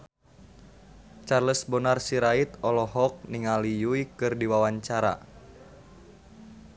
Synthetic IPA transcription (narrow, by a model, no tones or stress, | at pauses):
t͡ʃarləsbɔnarsiɾait̪ɔlɔɦɔk̚niŋalijuikɨrdiwawaɲt͡ʃaɾa̰